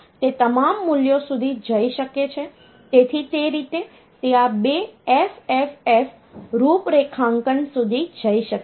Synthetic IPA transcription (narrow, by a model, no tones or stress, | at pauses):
t̪et̪əmamːuljosud̪ʱid͡ʒəiʃəket͡ʃʰe | t̪et̪ʰit̪eɾit̪e | t̪eabeɛfɛfɛf | ɾupɾekʰãŋkənsud̪ʱid͡ʒəiʃək